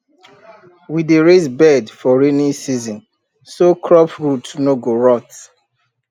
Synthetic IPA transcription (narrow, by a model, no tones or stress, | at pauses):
wideɹezbɛdfɔɹinisizɔ̃n | sokʰɹɔpɹutnoɡoɹɔt